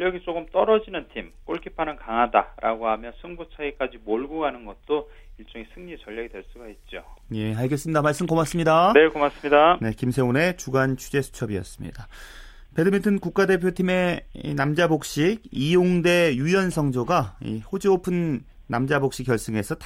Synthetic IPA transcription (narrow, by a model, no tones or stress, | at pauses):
jʌɡit͡ɕ͈oɡɯmt͈ʌɾʌd͡ʑinɯntʰimk͈oɭkʰipʰanɯnkaŋɦada̰ɾʔa̰ɡoɦamjʌnsʰɯŋbut͡ɕʰaɡik͈ad͡ʑimoɭɡuɡanɯnɡʌt̚t͈o | iɭt͡ɕ͈ʌŋesʰɯŋɲit͡ɕʌʎːʌɡidwe̞ɭs͈uɡaɦet̚t͡ɕ͈oje̞aɭɡes͈ɯmɲidamaɭs͈ɯmkomas͈ɯmɲidanekomas͈ɯmɲidane̞kimsʰe̞one̞t͡ɕuɡant͡ɕʰud͡ʑe̞sʰu̥t͡ɕʰʌbiʌ̰s͈ɯmɲḭd̥a | pe̞dɯmitʰɯnkuk̚k͈ade̞pʰjotʰime̞inamd͡ʑabok̚ɕ͈iɡijoŋde̞jujʌnsʰʌŋd͡ʑoɡaḭhod͡ʑiopʰɯnː | amd͡ʑabok̚ɕ͈ik͈ːjʌɭs͈ɯŋe̞sʰʌtʰ